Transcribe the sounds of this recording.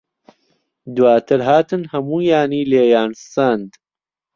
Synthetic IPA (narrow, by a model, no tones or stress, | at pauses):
d̪waːt̪ʰɨɾɦaːt̪ɨnhɐmuːjaːniːleːjaːnsɐnd̪